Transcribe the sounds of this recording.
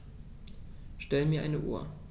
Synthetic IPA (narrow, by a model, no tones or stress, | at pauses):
ʃtɛləmiːɐʔa̰ɪnəʔṵːɐ̰